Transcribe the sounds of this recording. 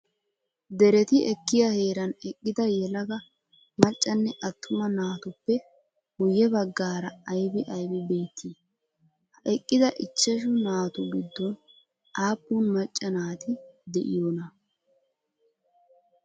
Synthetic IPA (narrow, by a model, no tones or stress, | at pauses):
d̪ɛɾɛt̪ɪɛkːɪjɐhe̞ːɾɐnɛkʼːɪd̪ɐjɛlɐɡɐ | mɐt͡ʃʼːɐnːɛʔɐt̪ʰːʊmɐnaːt̪ʊpːɛ | bʊjɛbɐɡːaːɾɐɐjbɪʔɐjbɛbe̞ːt̪ʰːiː | hɐɛkʼːɪd̪ɐʔɪt͡ʃːɛʃ̬ʊnaːt̪ʊɡɪd̪ːɔn | ʔaːpʼːuːnmɐt͡ʃʼːɐnaːt̪ɪd̪ɛʔɪ̰joːnɐ